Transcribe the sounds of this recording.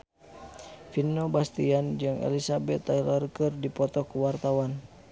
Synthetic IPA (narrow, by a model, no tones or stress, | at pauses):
finːɔbast̪iand͡ʒɨŋɛ̰lisabɛt̪ːalɔrkərdipɔt̪ɔkəwart̪awan